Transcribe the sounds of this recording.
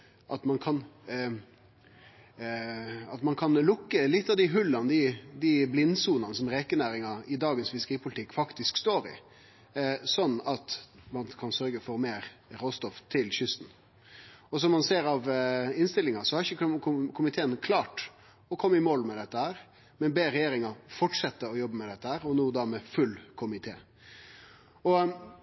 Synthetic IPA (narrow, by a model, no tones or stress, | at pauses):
ʔɑt̪mɑnkʰɑn | ɑt̪mɑnkʰɑnlʊkːəlɪt̪ːɑʋd̪ɪɦʉlːɑnəd̪ɪd̪iblɪnːsuːnɑnəsɔmɾeːkənæːɾɪŋɑɪd̪ɑːɡənsfɪskəɾiːpʰʊlɪt̪ʰɪkːfɑkt̪ɪskst̪oːɾɪ̰ | sɔnːɑt̪mɑnkʰɑnsœɾɡəfɔɾmeːɾɾoːst̪ɔft̪ʰːɪlçʏst̪n̩ | ɔsɔmmɑnseːɾɑʋɪnst̪ɪlːɪŋɑsɔhɑɾɪçəkʰʊmɪt̪ʰeːənkʰlɑːʈ | ɔkʰɔmːɪmoːlmɛd̪ɛt̪ːəhæːɾ | mɛnbeːɾɛjeːɾɪŋɑfɔʈʂɛt̪ːəɔjɔbːəmɛd̪ɛt̪ːəhæːɾɔnuːd̪ɑmɛfʉlːkʰʊmɪt̪ʰḛː | ɔ